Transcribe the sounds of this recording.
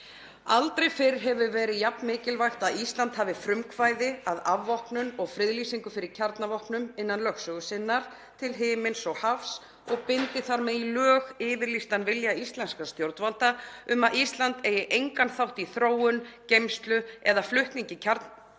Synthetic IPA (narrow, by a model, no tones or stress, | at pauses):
a̰lt̪ɾejfɪɾɪ̥ɦɛvʏvɛːɾɪðjapnmɪːcɪlvajxt̪aðist̪lant̪havɪfɾʏmkʰvaːjðɪaðavːɔhknʏnɔɣfɾɪðlisiŋkʏfɪɾɪɾcʰaɾt̪navɔhknʏmɪnːanlœxsœːɣʏsɪnːaɾ̥ | t̪ʰɪlɦɪːmɪnsɔɣhafs | ɔɣpɪnt̪ɪθaɾmɛðilœːɣɪːvɪɾlist̪anvɪljaist̪lɛnskast̪jowɾt̪valt̪aʏmaðist̪lant̪eːjɪʔejŋkanθawht̪iθɾoːwʏncejmst̪lʏɛðaflʏht̪niɲcɪcʰaɾt̪n